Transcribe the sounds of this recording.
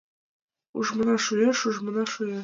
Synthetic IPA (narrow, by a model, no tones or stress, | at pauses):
ṵʐmɤ̆nɑʂujɑʂuʐmɤ̆nɑʂujɑ